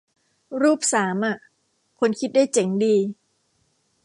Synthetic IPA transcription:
ɾuː˥˩p̚saː˩˦mʔa˨˩ʔ | kʰo˧nkʰi˦˥daː˥˩jt͡ɕe˩˦ŋdiː˧

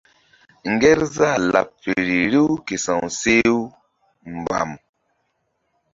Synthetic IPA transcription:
ŋ˨ɡe˦ɾza˦˨la̰˨pfe˨ɾi˨ɾi˦wke˨sã˨ŋse˦w | m˨ba̰˨m

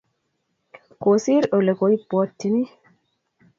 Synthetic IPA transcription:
kosi˦ɾo˨le˨ko˨i˦pːɔ˦tːi˦ni˦

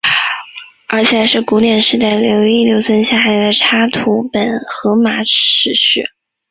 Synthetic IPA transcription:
ə˞˧˥t͡ɕʰjɛ˨˩˧ʂɻ̩˥˩ku˧˥t̪jɛ˨˩nʂɻ̩˥˧t̪a˥˩ljo˧˥ʊi˥˩ljo˧˥ʊt͡sʰə˥nɕja˥˩xa˧˥ɪd̪ə˧ʈ͡ʂʰa˥t̪ʰu˧˥pə˨˩nxɤ˧˥ma˧˥ʈ͡ʂʰɻ̩˧˥ɕy˥˩

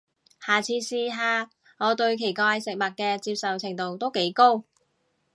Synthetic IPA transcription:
haː˨t͡sʰiː˧siː˧ɦaː˨˧ | ŋɔː˨˧t̪ɵ˧ɥkʰe˨˩jkaː˧jsɪ˨k̚mɐ˨t̚kɛː˧t͡siː˧p̚sɐ˨wt͡sʰɪ˨˩ŋt̪o˨wt̪o˥wke˨˥jko˥w

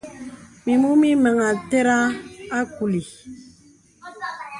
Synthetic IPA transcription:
mi˨mu˦mi˦mə˨ŋa˨te˦ɾa˦a˦ku˨li˨

